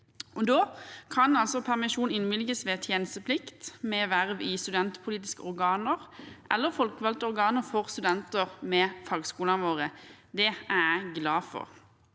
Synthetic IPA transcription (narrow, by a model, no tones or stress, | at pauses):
ʔɔd̪oːkʰɑnɑlsɔpʰæʁmɪʃuːnɪnʋɪlɡəsʋeːt̪ʰjeːnəst̪əpʰlɪkt̪mɛʋæʁʋɪst̪ʉd̪ɛnt̪pʰʊliːt̪ɪskəɔʁɡɑːnəʁʔɛlːəfɔlkʋɑlt̪əɔʁɡɑːnəfɔʁst̪ʉd̪ɛnt̪əʁmɛfɑːɡskuːlɑnʋoːʁəd̪ɛææɪɡlɑːfɔ̰ʁ